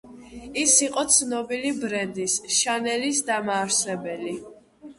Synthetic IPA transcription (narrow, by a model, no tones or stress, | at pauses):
isiqʼɔt̪sʰnɔbilibɾɛnd̪isʃanɛlisd̪amaːɾsɛbɛli